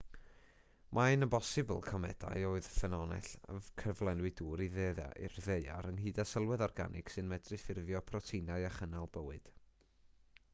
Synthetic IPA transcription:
mʔaɨnəbɔsɨbə̰lˠkʰɔmɛ̰d̥a̰joːɨðfɛnɔnɛ̰ɬa̰kʰəvlˠɛnwɨduːɾiðeːða̰ʔɪr̥ðeja̰ɾənɦiːdasəlˠwɛðɔrɡa̰nʔɪksɨnmɛdrɨfɪrvjɔpʰrɔtʰinaɨaχənalˠbəwɨd̥

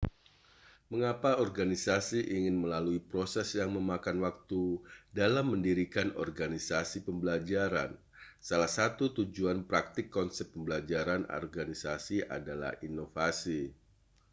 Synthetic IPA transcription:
məŋapaɔrɡanisasiʔiŋɪnməlaluipɾosɛsjaŋməmakanwak̚t̪udalamːəndiɾikanɔ̰rɡanisasipəmbəlad͡ʒaɾa̰n | salahsat̪ut̪ud͡ʒuanpɾak̚t̪ɪkːɔnsɛp̚ːəmbəlad͡ʒaɾanɔ̰rɡanisasia̰dala̰hinofasi

